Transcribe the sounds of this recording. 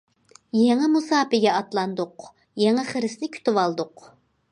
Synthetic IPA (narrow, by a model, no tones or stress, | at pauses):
jeŋɛmusɑːpɪɡʲɛɑt̪lˠɑnd̪ʊq | jeŋɛχəɾɪsnɪkʲʰy̥t̪ʰɪwɑlˠd̪ʊq